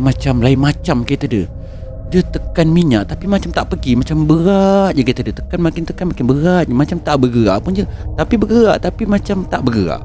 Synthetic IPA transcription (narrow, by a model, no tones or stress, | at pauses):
mat͡ʃamlaɪnmat͡ʃamkit̪ədə | dət̪əkanmiɲaʔt̪apimat͡ʃamt̪aʔpəɡimat͡ʃambəɣaʔɲakit̪ədət̪ə̥kanmakɪnt̪əkanmakɪnbəɣaʔɲamat͡ʃamt̪aʔbəɡəɣa̰ʔpʊnd͡ʒət̪apibəɡəəɾaʔt̪apimat͡ʃamt̪aʔbəɡəa̰ʔ